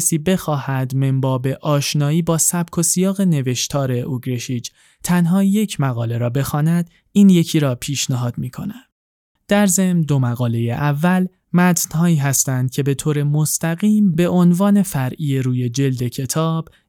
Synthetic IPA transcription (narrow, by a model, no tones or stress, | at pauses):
siːbe̞xɒːhæd̪me̞mbɒːbe̞ʔɒːʃnɒːiːbɒːsæb̥̚kʰo̞sijɒːɣe̞ne̞ve̞ʃt̪ʰɒːɾe̞ʔoɡɾeʃit͡ʃ | t̪ʰænɦɒːje̞cʰmæɣɒːle̞ɾɒːbe̞xɒːnæd̪̥ | iːnje̞cʰiːɾɒːpʰiːʃnæɦɒːd̪miːkʰo̞̰næm | d̪̥æɾze̞md̪o̞mæɣɒːle̞jḛʔævːæl | mæt̪ʰnhɒːiːɦæst̪ænd̪̥̚cʰe̞be̞t̪ʰoːɾe̞most̪ʰæɣiːmbe̞ʔonvɒːne̞fæɾʔiːeɾuːje̞d͡ʒe̞ld̪e̞cʰe̞t̪ʰɒːb̥